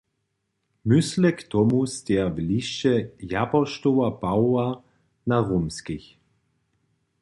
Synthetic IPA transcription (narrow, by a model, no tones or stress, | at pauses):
mʏslɛktɔmust̪ɛɐbliʃɛjapɐʃtowapawa | naʁomskɪç